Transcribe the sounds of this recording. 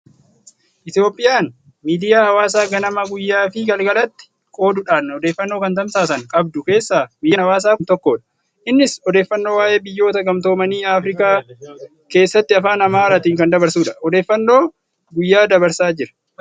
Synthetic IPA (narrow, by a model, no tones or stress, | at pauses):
ʔɪt̪jo̞ːpʼːɪjaːn | miːd̪ɪjaːhɐwaːsaːɡɐnɐmɐɡʊjːaːfɪɡɐlɡɐlɐt̪ːɪ̥ | kʼo̞ːd̪ʊᶑaːnːɐɔd̪eːfːɐnːoːkɐnt̪ɐmsaːsɐŋkʼɐbd̪ʊke̞ːsːaːɡʊjːaɐwaːs̬aːnt̪ɔkːoːᶑɐ̥ | ʔɪnːɪsɔd̪eːfːɐnːo̞ːwaːʔe̞ːbɪjːo̞ːt̪ɐɡɐmt̪o̞ːmɐniːaːfɾɪkaː | ke̞ːsːɐt̪ːɪɐfaːnɐmaːɾɐt̪iːŋkɐnd̪ɐbɐɾsuːᶑɐ̥ɔd̪e̞ːfːɐnːo̞ː | ɡʊjːaːd̪ɐbɐɾsaːd͡ʒɪɾɐ̥